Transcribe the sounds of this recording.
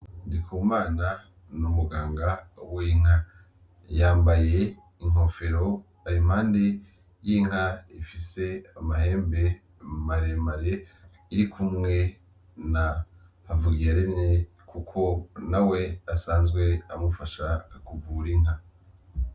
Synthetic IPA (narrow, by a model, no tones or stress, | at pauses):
ndikʰumaːna | numuɡaːŋɡawiiŋ̥ha | jaːmbaje̞ | iŋ̥o̞fe̞ɾo̞ | aɾim̥haːnde̞ | jiŋ̥aifise̞amahe̞ːmbe̞ | maɾemaɾe | iɾikʰumŋe̞ | na | havuɡiaɾemɲe | kukʰo̞nawe̞asaːnzɡwe̞amufaʃakuvuɾiŋ̥a